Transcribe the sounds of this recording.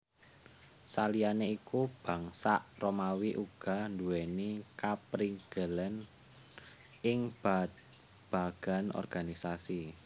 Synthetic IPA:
salijaneikub̥ä̤ŋsaʔromawiʔuɡ̥a̤nduwenikapɾiŋɡ̥ələn | ʔɪŋb̥at̪ | b̥a̤ɡ̥a̤nɔ̰rɡ̥anisasi

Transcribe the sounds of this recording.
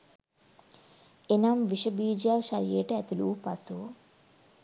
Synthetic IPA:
enɐmʋiʃɐbiːd͡ʒaːwʃɐɾjeːʈɐt̪uluːpɐsu

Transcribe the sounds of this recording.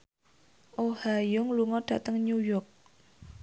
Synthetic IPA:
ʔohajʊŋluŋɔɖ̥ä̤t̪əŋɲujɔrk̚

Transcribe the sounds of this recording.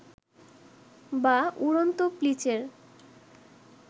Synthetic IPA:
bauɾont̪oplit͡ɕeɾ

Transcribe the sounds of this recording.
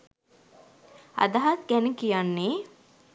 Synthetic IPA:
a̰d̪aɦat̪ɡænəkijanːe

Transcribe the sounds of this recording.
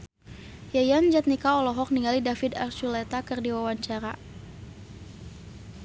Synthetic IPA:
jajand͡ʒat̪̚nikaɔlɔɦɔk̚niŋɡalidafid̪art͡ʃulɛt̪akɨrdiwawaɲt͡ʃaɾa

